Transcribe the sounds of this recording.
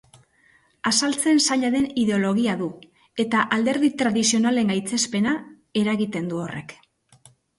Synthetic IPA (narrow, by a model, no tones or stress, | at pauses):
asalt͡se̞nsaʎaðe̞niðe̞o̞lo̞ɣ̞iaðu | e̞t̪aʔald̪e̞ɾðit̪ɾaðisio̞nale̞ŋɡajt͡se̞spe̞na | e̞ɾaɣit̪e̞nd̪uo̞re̞̰k